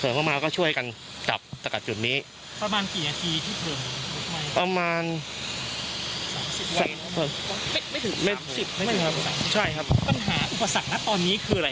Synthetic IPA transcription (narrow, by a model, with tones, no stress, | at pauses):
kʰɤː˨˩˦mʰa˥˩maː˧wkɔː˥˩t͡ɕʰu˥˩əjka˧n | da̰˨˩p̚sa˧ka˨˩t̪̚t͡ɕu˨˩t̪̚niː˦˥ | pɾa˧maː˧nkiː˨˩na˧t̪ʰiː˧t̪ʰiː˥˩p̪ʰɯː˨˩˦ma˧˩pa˧maː˧n | saː˩˦msi˨˩p̚wa˧˦˥ma˥˩ma˥˩jt̪ʰɯ˩˦ma˥˩jsi˨˩p̚a˥˩a˥˨˩kʰa˦˥a˨˦˨t͡ɕʰa˥˩jkʰa˦˥p̚pa˧nɦaː˩˦ʔu˨˩pːa˧sa˨˩k̚na˦˥t̪ɔː˧nːiː˦˥kʰɯː˧ɾa˧